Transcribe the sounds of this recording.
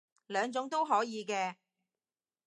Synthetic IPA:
lœː˨˧ŋt͡sʊ˨˥ŋt̪o˥wɦɔː˨˥jiː˨˧kɛː˧

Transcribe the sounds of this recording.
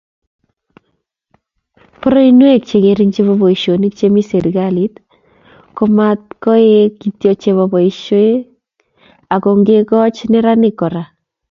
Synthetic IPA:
pɔɾɔ˦inwe˦k̚t͡ʃe˨ke˨ɾi˦ŋt͡ʃe˦βo˦bɔ˨i˨ʃo˨ni˦kt͡ʃe˦mi˦se˨ɾi˨kalit | kɔ˦mat̚kɔ˦e˦ki˨tjot͡ʃe˨βɔ˨bɔ˨iʃo˦e˦ | a˨kɔ˨ŋɡe˦kɔ˦t͡ʃnɪ˦ɾa˦nɪkːɔ˨ɾa˨

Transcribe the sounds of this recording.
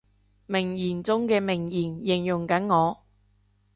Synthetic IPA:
mɪ˨˩ŋjiː˨˩nt͡sʊ˥ŋkɛː˧mɪ˨˩ŋjiː˨˩njɪ˨˩ŋjʊ˨˩ŋkɐ˨˥nŋɔː˨˧

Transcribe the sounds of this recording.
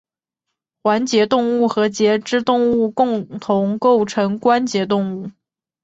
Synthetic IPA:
xwa˧˥nt͡ɕjɛ˧˥t̪ʊ˥˧ŋu˥˩xɤ˧˥t͡ɕjɛ˧˥ʈ͡ʂɻ̩˥t̪ʊ˥˧ŋu˥˧kʊ˥˩ŋt̪ʰʊ˧˥ŋko˥˩ʊʈ͡ʂʰɤ˧˥ŋkwa˥nt͡ɕjɛ˧˥t̪̬ʊ˥˧ŋu˥˩

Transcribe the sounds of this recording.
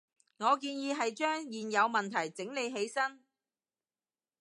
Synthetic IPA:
ŋɔː˨˧k̬iː˧njiː˨˧ɦɐ˨jt͡ʃœː˥ŋjiː˨njɐ˨˧wmɐ˨nt̪ʰɐ˨˩jt͡sɪ˨˥ŋle˨˧jɦe˨˥jsɐ˥n

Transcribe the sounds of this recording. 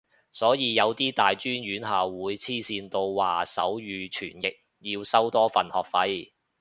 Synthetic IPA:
sɔː˨˥jiː˨˧jɐ˨˧wt̪iː˥t̪aː˨jt͡ʃyː˥nɥyː˨˥nɦaː˨wwuː˨˧jt͡sʰiː˥siː˧nt̪o˧wwaː˨˩sɐ̰˨˥wjyː˨˧t͡ʃʰy̰ː˨˩njɪ˨k̚ | jiː˧wsɐ˥wt̪ɔː˥fɐ˨nhɔː˨k̚fɐ˨˥j

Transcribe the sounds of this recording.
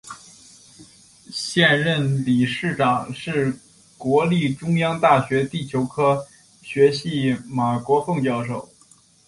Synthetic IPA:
ɕjɛ˥˧nɻə˥˩nli˨˩ʂɻ̩˥˩ʈ͡ʂɑ˨˩ŋʂɻ̩˥˩ | kwɔ˧˥li˥˩ʈ͡ʂʊ˥ŋjɑ˥ŋt̪a˥˩ɕɥɛ˧˥t̪i˥˩t͡ɕʰjo˧˥ʊkʰɤ˥ | ɕɥɛ˧˥ɕi˥˩ma˨˩kwɔ˧˥fɤ˥˧ŋt͡ɕjɑ˥˧ʊʂo˥˩ʊ

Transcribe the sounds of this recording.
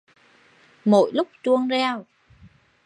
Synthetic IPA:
mo̰˧˨jlʊ˦˥k͡p̚t͡ɕu˧əŋzɛ˧˩w

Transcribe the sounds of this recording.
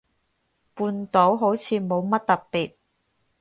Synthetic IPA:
puː˧nt̪o˨˥wɦo˨˥wt͡sʰiː˨˧mo˨˧wmɐ˥t̚t̪ɐ˨pːiː˨t̚

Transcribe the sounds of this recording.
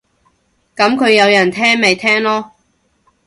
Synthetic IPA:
kɐ˨˥mkʰɵ˨˧ɥjɐ˨˧wjɐ˨˩nt̪ʰɛː˥ŋme˨jt̪ʰɛː˥ŋlɔː˥

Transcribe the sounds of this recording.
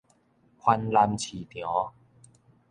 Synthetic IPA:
kʰwa˧nla˧mt͡ɕʰi˨˩t̪jɔ̃˨˦

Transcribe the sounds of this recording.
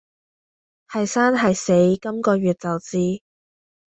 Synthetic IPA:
hɐ˨jsaː˥nɦɐ˨jse˨˥jkɐ˥mkɔː˧ɥyː˨˩t̚t͡sɐ˨wt͡siː˥

